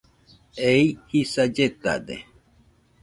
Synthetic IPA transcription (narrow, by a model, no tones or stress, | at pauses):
eihisad͡ʒet̪a̰d̪ḛ